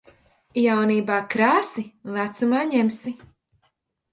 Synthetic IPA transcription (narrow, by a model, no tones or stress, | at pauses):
jawniːbaːkɾaːsivæt̪sumaːɲemsi